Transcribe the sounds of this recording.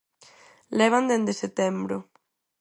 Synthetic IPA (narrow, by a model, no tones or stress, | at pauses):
leβ̞and̪ẽnd̪eset̪embɾo